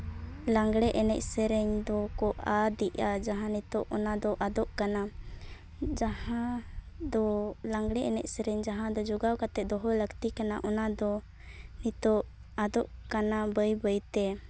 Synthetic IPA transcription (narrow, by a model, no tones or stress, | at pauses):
laŋɡɽɛʔɛnɛ̰c̚sɛɾɛɲd̪ɔkɔʔad̪iʔad͡ʒaɦãnit̪ɔʔɔnad̪ɔʔad̪ɔʔkana | d͡ʒahã | d̪ɔlaŋɡɽɛʔɛnɛ̰c̚sɛɾɛɲd͡ʒaɦãd̪ɔd͡ʒɔɡawkat̪ɛd̪ɔɦɔləɡt̪ikana̰ʔɔnad̪ɔ | nit̪ɔʔ | ad̪ɔʔkanabəjbəjt̪ɛ